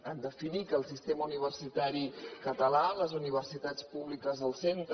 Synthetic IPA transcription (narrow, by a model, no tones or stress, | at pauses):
and̪əfinikəːlˠsist̪eməuniβ̞ərsit̪aɾikət̪əlaləzuniβ̞ərsit̪at͡spuβlikəzðəlˠsent̪